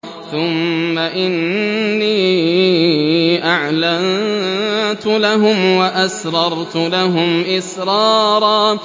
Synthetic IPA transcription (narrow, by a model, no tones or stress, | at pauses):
θʊmːaʔɪnːiː | ʔaʕlan | t̪ʊlaɦʊmwaʔasɾˤɑɾˤt̪ʊlaɦʊmʔɪsɾˤɑːɾˤɑː